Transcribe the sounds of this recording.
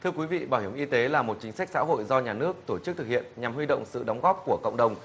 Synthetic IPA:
t̪ʰɨ˧əkwi˨˦vḭ˧˨ɓaː˧˩whi˧˩əmʔi˧t̪e˨˦laː˨˩mo˨˩t̚t͡ɕï˨˦ŋsa˦˥k̟̚sa̰ː˧˥ɦo̰˧˨jzɔ˧ɲaː˨˩nɨ˦˥ək̚t̪o˧˩t͡ɕ̚t̪ɨ˨k̚hḭ˧˨ənɲa˨˩mhwi˧ɗə̰˧˨wŋ͡msɨ̰˧˨ɗə˨˦wŋ͡mɣɔː˦˥p̚ku˧˩əkə̰˧˨wŋ͡mɗə˨˩wŋ͡m

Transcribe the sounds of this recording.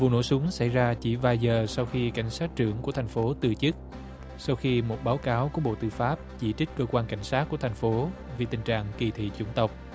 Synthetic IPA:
vṵ˨no̰˧˥˩jsʊ˨˦ŋsa̰˧˩jzaː˧t͡ɕi˧˩vaː˨˩jzəː˨˩sa˧wxi˧ka̰˧˩jŋ̟saː˦˥t̚t͡ɕɨ˧˩əŋku˧˩ət̪ʰa˨˩jŋ̟fo˨˦t̪ɨ˨˩t͡ɕɨ˦˥k̚ | sa˧wxi˧mo˨˩t̚ɓaː˨˦wkaː˨˦wku˧˩əɓo̰˧˨t̪ɨ˧faː˦˥p̚t͡ɕḭ˧˥t͡ɕi˦˥k̟̚kəː˧kwaː˧nka˧˩jŋ̟saː˦˥t̚ku˧˩ət̪ʰa˨˩jŋ̟fo˨˦ | vi˨˩t̪ï˨˩ŋ̟t͡ɕa̰ː˧˨ŋki˧˨˩t̪ʰḭ˧˨t͡ɕʊ̰˧˩ŋ͡mt̪ə˨˩wk͡p̚

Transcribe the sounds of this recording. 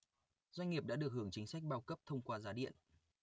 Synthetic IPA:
zwa˧jŋ̟ŋi˨˩p̚ɗa̰ː˧˥ɗɨ˨˩ək̚hɨ˨˧˩əŋt͡ɕï˨˦ŋ̟sa˦˥jk̚ɓaː˧wkə˦˥p̚t̪ʰə˧wŋ͡mkwaː˧zaː˨˦ɗḭ˧˨ənʔ

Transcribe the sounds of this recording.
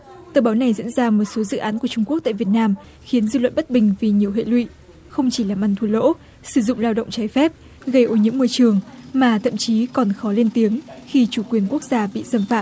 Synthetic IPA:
t̪əː˨˩ɓaː˨˦wna˨˩jzḭ˧˥ənzaː˧mo˨˩t̚so˨˦zɨ̰˧˨ʔaː˨˦nku˧˩ət͡ɕʊ˧ŋ͡mku˦˥ək̚t̪aː˧˨vət̚naː˧m | xi˨˦ənzɨ̰˧˨lwə̰˧˨nɓə˦˥t̚ɓï˨˩ŋ̟vi˨˩ɲi˨˩əwɦḛ˧˨lwḭ˧˨ | xə˧wŋ͡mt͡ɕi˧˩laː˨˩mʔa˧˩nt̪ʰu˧˩lo̰˧˥ | sɨ˧˩zʊ̰˧˨ŋ͡mlaː˧wɗə̰˧˨wŋ͡mt͡ɕaː˨˦jfɛ˦˥p̚ | ɣə˧jʔo˨˦ɲɨ̰˧˥ŋmɔ˧jt͡ɕɨ˨˩əŋmaː˨˩t̪ʰə̰˧˨mt͡ɕi˨˦kɔ˨˩nxɔ˨˦le˧nt̪i˨˦əŋxi˧t͡ɕu˧˩kwi˨˩ənku˦˥ək̚zaː˧ɓḭ˧˨zə˧mfaː˧˨

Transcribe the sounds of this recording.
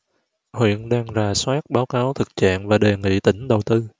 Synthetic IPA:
hwḭ˧˨ənɗaː˧ŋzaː˨˩swaː˦˥t̚ɓaː˨˦wkaː˨˦wt̪ʰɨ˨˩k̚t͡ɕa̰ː˧˨ŋvaː˨˩ɗe˨˩ŋḭ˧˨t̪ï˧˩ŋ̟ɗə˨˩wt̪ɨ˧

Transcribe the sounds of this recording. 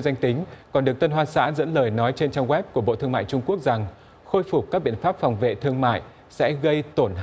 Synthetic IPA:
za˧jŋ̟t̪ï˨˦ŋ̟kɔ˨˩nɗɨ˨˩ək̚t̪ə˧nɦwaː˧nsa̰ː˧˥zə̰˧˥nləː˨˩jnɔ˨˦jt͡ɕe˧nt͡ɕa˧ɣwɛ˦˥p̚ku˧˩ɓo̰˧˨t̪ʰɨ˧əŋma̰ː˧˨jt͡ɕʊ˧ŋ͡mku˦˥ək̚za˨˩ŋ | xo˧jfʊ˨˩kaː˦˥k̚ɓḭ˧˨ənfaː˦˥p̚fɔ˨˩wŋ͡mvḛ˧˨t̪ʰɨ˧əŋma̰ː˧˨j | sɛ̰˧˥ɣə˧jt̪o˧˩nɦ

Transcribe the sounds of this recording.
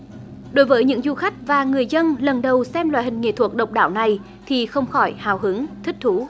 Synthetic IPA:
ɗo˨˦jvəː˨˦jɲɨ̰˧˥ŋzu˧xa˦˥jk̟̚vaː˨˩ŋɨ˨˩əjzə˧nlə˨˩nɗə˨˩wsɛ˧mlwa̰ː˧˨hï˨˩ŋ̟ŋḛ˧˨t̪ʰu˨˩ək̚ɗə˨˩wk͡p̚ɗaː˧˩wna˨˩j | t̪ʰi˨˩xə˧wŋ͡mxɔ˧˩jhaː˨˩wɦɨ˨˦ŋt̪ʰï˦˥k̚t̪ʰu˨˦

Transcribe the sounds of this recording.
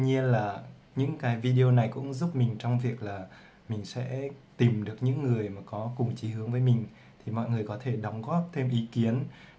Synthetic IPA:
ɲi˧ənlaː˨˩ | ɲɨ̰˧˥ŋkaː˨˦jvi˧ɗi˧o˧na˨˩jkʊ̰˧˥ŋ͡mzu˦˥p̚mï˨˩ŋ̟t͡ɕɔ˧wŋ͡mvi˨˩ək̚laː˨˩ | mï˨˩ŋ̟sɛ̰˧˥t̪i˨˩mɗɨ˨˩ək̚ɲɨ̰˧˥ŋːɨ˨˩əjmaː˨˩kɔ˨˦kʊ˨˩ŋ͡mt͡ɕi˨˦hɨ˨˦əŋvəː˨˦jmï˨˩ŋ̟ | t̪ʰi˨˩mɔ̰˧˨jŋɨ˨˩əjkɔ˨˦t̪ʰe˧˩ɗɔ˨˦wŋ͡mɣɔ˦˥p̚t̪ʰe˧mʔi˨˦ki˨˦ən

